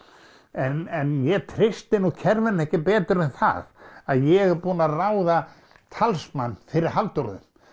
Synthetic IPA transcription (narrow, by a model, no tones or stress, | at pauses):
ɛnɛnjɛt̪ʰɾɪst̪ɪnɔcʰɛɾvɪnɛhcɪpɛːt̪ʏɾɛnθa̰ðaðjɛɣpuːnaraːwða | t̪ʰalsmanːfɪɾɪɾ̥halt̪ɔɾðʏ̰m